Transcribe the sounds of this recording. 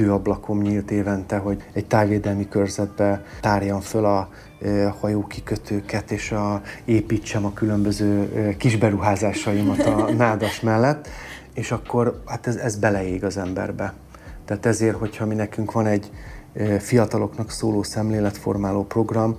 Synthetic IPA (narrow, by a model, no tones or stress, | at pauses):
øːɒblɒkʰo̞mɲilt̪eːvɛnt̪ɛɦo̞ɟɛɟ̚t̪aːrʋeːd̪ɛlmikørzɛd̪̚bɛt̪aːrjɒɱfølɒ | hɒjoːkikøt̪ʰøːkɛt̪eːʃɒeːpiːt͡ʃːɛmɒkylø̞mbø̞zøːkiʒbɛɾuɦaːzaːʃɒjimɒt̪ɒnaːd̪ɒʃmɛlːɛt̪ː | eːʃɒkːo̞rhaːt̪ɛzɛzbɛlɛjeːɡɒzɛmbɛ̰rbɛ | t̪ɛaːt̪ɛzeːrho̞cʰhɒminɛkyŋkʋɒnɛɟ | fijɒt̪ɒlo̞knɒksoːloːsɛmleːlɛt̪fo̞̰rmaːloːpro̞ɡrɒm